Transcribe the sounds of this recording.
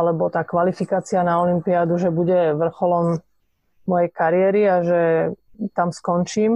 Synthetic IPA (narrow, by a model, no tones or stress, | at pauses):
lɛbɔt̪aːkʋalifikaːt͡sianaɔlimpiaːd̪uʒɛbuɟɛʋr̩xɔlɔmː | ɔjɛjkaɾɪɛɾiaʒɛt̪amskɔnt͡ʃiːm